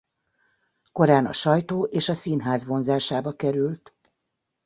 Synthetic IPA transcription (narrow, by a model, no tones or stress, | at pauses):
ko̞ɾaːnɒ̰ʃɒjt̪oːʔeːʃɒsiːnɦaːzʋo̞nzaːʃaːbɒkɛɾylt̪